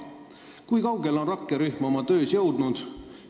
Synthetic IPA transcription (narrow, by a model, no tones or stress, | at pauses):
kujkɑwɡe̞lo̞nrɑkːˑe̞ɾyhmo̞mɑt̪ø̞ːsjɤ̞wd̪̥nud̪̥